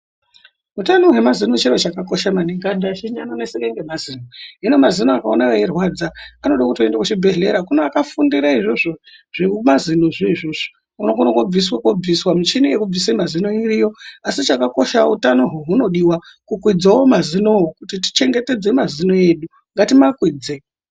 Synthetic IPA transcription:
ɦutanoɦwemazinot͡ʃeɾot͡ʃakako̞ʃamaneŋɡandaʃiɲanonesineŋɡemaziːnoino̞mazinoakaonajojerwad͡zaːnoɗakutoendakut͡ʃibʱe̞ɮe̞̰ɾakunoakafundiɾaiʐoʐo̞ʐ̥imazinoʐiʐoʐi̥ | unokunoɡob͡viswakwob͡viswamit͡ʃinijekuvisemazino̞irijo̞asit͡ʃakako̞ʃa̰ṵtano̞ɦuɦuno̞ɗiwakukwid͡zawomazino̞ɦokutiti̥t͡ʃe̞ŋɡe̞te̞d͡zemazino̞e̞ːɗu | ŋɡatimakwiːd͡ze

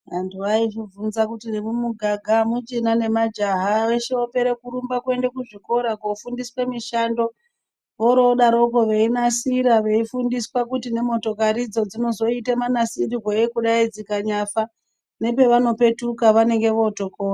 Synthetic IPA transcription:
ɦantuaiʐivunzakutinemumuɡʱaɡʱamut͡ʃinane̞mad͡ʒaɦaeʃeope̞ɾekuɾumbakwe̞ndekuʐiko̞ɾakofundiswemiʃando̞ | ʋo̞ɾoɗaɾo̞ko̞ʋe̞inasiɾaʋe̞ifundiswakutine̞mo̞to̞kaɾid͡zo̞d͡zino̞zo̞itemanasiriweekuɗaid͡zikaɲafa | ne̞pe̞ʋano̞pe̞tukaʋane̞ŋɡe̞ʋo̞to̞koːra

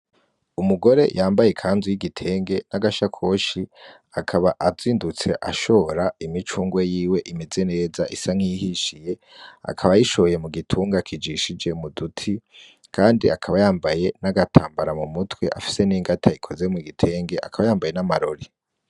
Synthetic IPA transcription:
umuɡo̞ɾe̞̰jʔaːmbajekʰaːnzwijiɡitʰe̞ːŋɡe̞naɡaʃakʰo̞ːʃi | akʰaβaʔaziːndut͡se̞̰ʔa̰ʃo̞ɾaimit͡ʃuːŋɡwejiːwe̞ʔimeze̞ne̞ːzaʔisaŋ̥ihiʃije̞ | a̰kʰaβajiʃoje̞muɡitʰuːŋɡakʰid͡ʒiʃid͡ʒe̞mudutʰi | kʰaːndiakʰaβajaːmbaje̞naɡatʰaːmbaɾamumutwe̞̰ʔa̰fi̥se̞niŋɡatʰaikʰo̞zemuɡitʰe̞ːŋɡe̞ʔa̰kaβajaːmbaje̞namaɾo̞ɾi

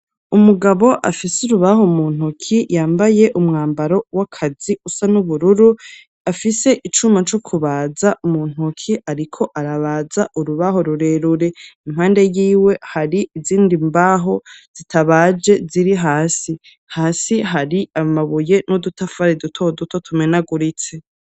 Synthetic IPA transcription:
umuɡaβo̞ʔafisuɾuβahomuːn̥hukʰijaːmbaje̞ʔumŋaːmbaɾo̞wakʰaziusanuβuɾuɾu | afise̞ʔit͡ʃumat͡ʃokʰuβaːzaʔumuːn̥hukʰiʔaɾikʰo̞ʔaɾaβaːzaʔuɾuβaɦo̞ɾuɾe̞ɾuɾe̞im̥haːnde̞jiːwe̞haɾiʔiziːndimbaɦo̞z̥itʰaβaːd͡ʒe̞ziɾiɦaːsi | haːsiɦaɾiamaβuje̞nudutafaɾedutʰo̞duto̞tʰumenaɡuɾit͡se̞

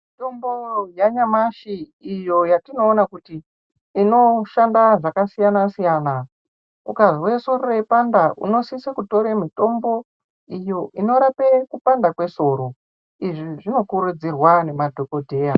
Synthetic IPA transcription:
mmito̞mbojaɲamaʃiːjo̞jatino̞ːnakutiː | no̞ʃandaʐakasijanasijaːna | ukazwe̞so̞ɾorepandaʔṵno̞sisakuto̞ɾemito̞mbo̞ | ijo̞ʔino̞ɾapekupandakwe̞so̞ɾo̞ | iʐiʐino̞kuɾud͡zirwane̞madʱo̞ko̞dʱe̞ːja

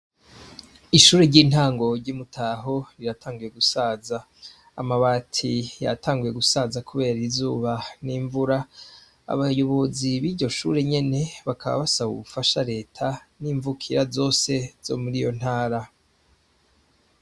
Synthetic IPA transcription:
iʃuːɾeɾɟiːn̥haːŋɡo̞ɾɟimutʰaːɦo̞ɾiɾatʰaːŋɡuje̞ɡusaːzaː | maβaːtʰija̰taːŋɡuje̞ɡusaːzakʰuβe̞ːɾiizuːβaniːɱvuɾa | a̰βajoβoziβiɾɟo̞ʃṵːɾe̞ɲe̞ne̞βakaβa̰βasaβṵβufaʃaɾe̞ːtʰaniːɱvukʰiɾazo̞ːse̞z̥o̞̰muɾijo̞n̥haːɾa

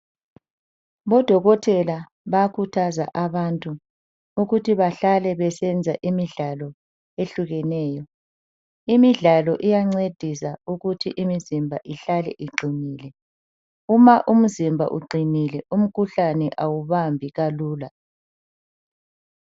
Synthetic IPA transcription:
βɔd̥ʱɔɣɔtʰɛla | βakʰutʰaza̰ʔaβantʼu | uɣutʰiβaɬalɛβɛsɛnd͡zʱaʔimiɮalɔ | eɬuɣɛnɛːjɔ | imiɮalɔʔijaŋ͡ǀed̥ʱisauɣutʰiʔimizimbʱaʔiɬalɛ̰ʔiɡ͡ǃʱiniːlɛ | umaʔum̩zimbʱa̰ʔṵɡ͡ǃʱinilɛʔum̩kʰuɬanɛʔawuβambʱiɣaluːla

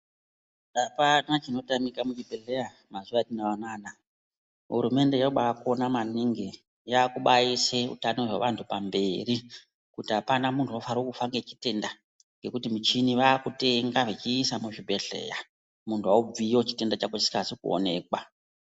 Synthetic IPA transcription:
apanat͡ʃino̞tamikamut͡ʃibʱe̞ɮe̞ja | mazuʋatinaʋanaːna | ɦṵɾume̞nde̞jauɓaakonamaniŋɡi | jaːkuɓaiseṵtanoʐḛʋantʰupambe̞ri | kutiapanamuntʰuofaɾokufaŋɡet͡ʃite̞nda | ŋɡe̞kutimit͡ʃiniʋaːkute̞ŋɡaʐet͡ʃiːsamuʐibʱe̞ɮe̞̰ja | muntʰuaub͡vijo̞t͡ʃi̥te̞ndat͡ʃakaisi̥kaːsikuo̞̰ne̞̰ːkwa

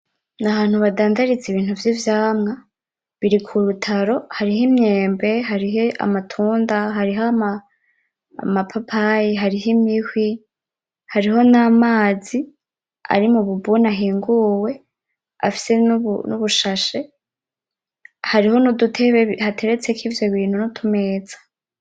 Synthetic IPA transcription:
naβaːn̥huβadaːndaɾit͡siβiːn̥huvjivjaːmŋa | βiɾikʰuɾutʰaɾo̞haɾiɦimɲe̞ːmbe̞ɦaɾiɦea̰matʰuːndaɦaɾiɦama̰ː | mapʰapʰajiɦaɾiɦimihwi | haɾiɦo̞namaːzi | a̰ɾimuβubunaɦiːŋɡuwe̞ | a̰fi̥se̞nβnṵβuʃaʃe̞ | haɾiho̞nudutʰe̞βehatʰe̞ɾet͡se̞kʰivjo̞βiːn̥hunutʰume̞ːd͡z̥ḁ

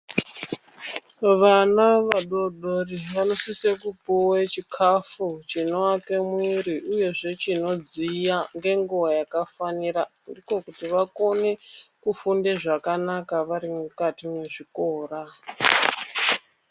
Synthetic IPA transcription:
ʋanaʋaɗoɗoriʋano̞sisekupuwet͡ʃikʰafut͡ʃino̞wake̞mwiɾiʔuje̞ʐe̞t͡ʃino̞d͡zijaŋɡe̞ŋɡuʋajakafaniɾa | ndiko̞kutiʋako̞ne̞kufundeʐakanakaʋaɾimukatimweʐiko̞ːra

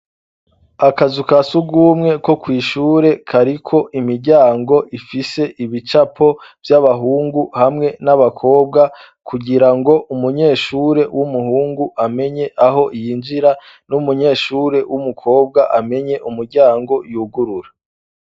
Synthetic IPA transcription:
akazukasuɡuːmŋe̞ko̞kwiːʃuːɾe̞kʰaɾikʰo̞ʔimiɾɟaːŋɡo̞ʔifise̞ʔiβit͡ʃapʰo̞vjaβaɦuːŋɡuhamŋe̞naβakʰo̞ːb̚ɡa | kʰuɡiɾaŋɡo̞ʔumuɲe̞ːʃuːɾe̞wʔumuhuːŋɡuʔame̞ɲe̞ʔaɦo̞ʔijind͡ʒiɾa | numuɲe̞ːʃuːɾe̞wumukʰo̞ːb̚ɡaʔame̞ɲe̞ʔumuɾɟaːŋɡo̞juɡuɾuɾḁ

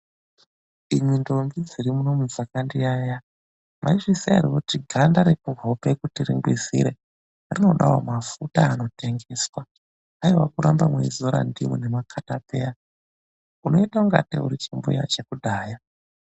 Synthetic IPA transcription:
imwindo̞mbid͡ziɾimuno̞muzakandiaːja | maiʐisia̰ɾiwutiɡʱandaɾekuvʱopekutiriŋɡwizḭɾe̞ | rino̞ɗawomafutaːno̞te̞ŋɡe̞ːswaː | iwakuɾambamwḛizoɾa̰ndḭmwene̞makʰatape̞ja | uno̞itauŋɡa̰tḛuɾit͡ʃimboja̰t͡ʃe̞kudʱaːja

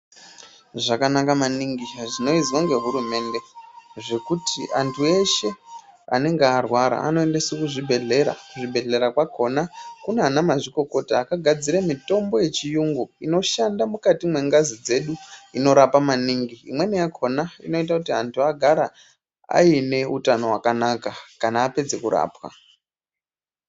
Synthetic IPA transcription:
ʐakanakamaniŋɡiʐino̞izwaŋɡe̞ɦuɾume̞nde̞ʐe̞kutʰiʔantʰue̞ʃe̞a̰ne̞ŋɡearwaɾa̰a̰no̞e̞nde̞sukuʐibʱe̞ɮe̞ɾa̰kuʐibʱe̞ɮe̞ɾakwakʰo̞nakuneanamaʐiko̞ko̞taːkaɡʱad͡ziɾamito̞mbo̞je̞t͡ʃijuŋɡoino̞ʃandamukatimwe̞ŋɡazid͡ze̞ɗuino̞ɾapamaniŋɡiḭmwe̞nijakʰo̞naḭno̞it̬akutiantʰuaɡʱaɾa | a̰ine̞utano̞wakanakakanaːpe̞d͡ze̞kuɾa̰ːpwa̰

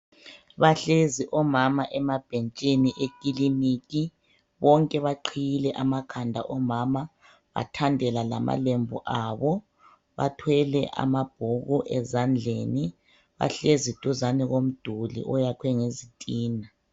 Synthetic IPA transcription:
βaɬeziʔɔmamaʔɛmab̥ʱent͡ʃʼiniʔekʼilimikʼi | βɔŋkʼɛβaǃʰijilɛʔamakʰandʱaʔɔmama | βa̰tʰandʱɛlala̰mʔa̰lembʱuʔaβɔ | βa̰tʰwɛlɛʔa̰mab̥̚ʱuɣuʔɛzand͡ɮʱeːni | βa̰ɬezid̥ʱuzaniɣom̩d̥ʱulḭʔɔjakʰwɛŋezitʼiːna

